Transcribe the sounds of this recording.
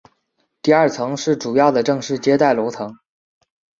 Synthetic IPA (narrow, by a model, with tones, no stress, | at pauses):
t̪i˥˧ɐ˞˥˩t͡sʰɤ˧˥ŋʂɻ̩˥˩ʈ͡ʂu˨˩jɑ˥˩ʊd̪ə˩ʈ͡ʂɤ˥˧ŋʂɻ̩˥˩t͡ɕjɛ˥t̪a˥˩ɪlo˧˥ʊt͡sʰɤ˧˥ŋ